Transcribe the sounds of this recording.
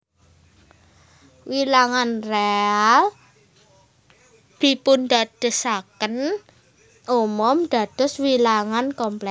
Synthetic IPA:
wilaŋanreal | d̪̥i̤pund̪ad̪̥ə̤sakən | umʊmd̪̥ä̤d̪̥ʊ̤swilaŋankɔmplɛ

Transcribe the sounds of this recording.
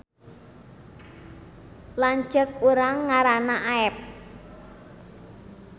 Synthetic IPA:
laɲd͡ʒək̚uɾaŋːaɾanaʔaɛp̚

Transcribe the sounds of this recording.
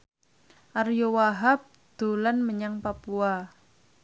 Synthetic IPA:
ʔarjowaɦap̚ | d̪̥o̤lanməɲaŋpapua

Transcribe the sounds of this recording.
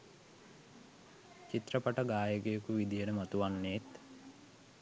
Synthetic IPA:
t͡ʃit̪rəpaʈəɡaːjəkejəkuʋid̪ijənəmat̪uʋanːeːt̪

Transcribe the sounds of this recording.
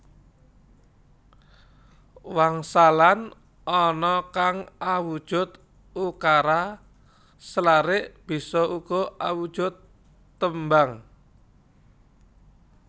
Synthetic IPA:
waŋsalan | ɔnɔkaŋawud̥ʒ̥ʊt̪ | ukaɾa | səlaɾɪʔb̥i̤sɔʔuɡ̥ɔ̤awud̥ʒ̥ʊ̤t̪ː | əmbaŋ

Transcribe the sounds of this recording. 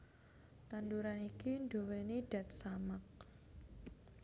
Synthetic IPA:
t̪anduɾanikindoweneɖ̥a̤t̪̚samak̚

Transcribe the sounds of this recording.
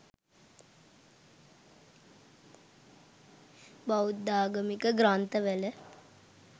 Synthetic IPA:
baud̪ːaːɡəmikəɡɾant̪əʋɛlə

